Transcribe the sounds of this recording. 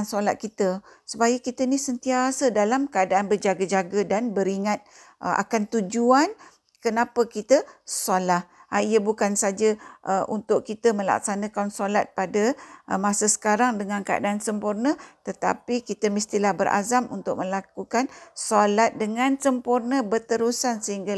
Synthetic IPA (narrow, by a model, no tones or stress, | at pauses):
nsola̰t̪̚kit̪əsupajakit̪ənisənt̪iasədalamkəadaanbərd͡ʒaɡəd͡ʒaɡadanbəɾiŋat̪̚ | ʔʔa̰kant̪ud͡ʒuan | kənapəkit̪əsalahaijəbukansad͡ʒəʔəʔunt̪ʊʔkit̪əmə̃la̰k̚sanə̃kansolat̪̚padəmasəsə̥kaɾaŋdəŋãnkəa̰daʔansəmpurnət̪ət̪a̰pikit̪əmist̪ilahbəɾʔa̰zamṵnt̪ʊk̚mə̃lakukansolat̪̚dəŋãnsəmpurnə̃bərt̪əɾusansəɦiŋɡa